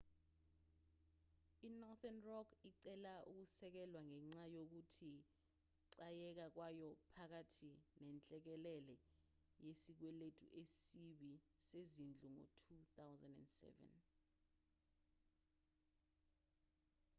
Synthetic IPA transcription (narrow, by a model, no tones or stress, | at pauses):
inɔθɛnrɔkʰiǀɛlaʔuk̬usɛk̬ɛlwaŋɛŋ͡ǀajok̬utʰi | ǀajɛk̬ak̬wajɔpʰak̬atʰinɛnt͡ɬʼɛk̬ɛlɛlɛ | jesik̬wɛletʰṵʔesiɓisezind͡ɮʱuŋɔ̰tʰuθawzandɛ̰ndsɛ̰vɛ̰n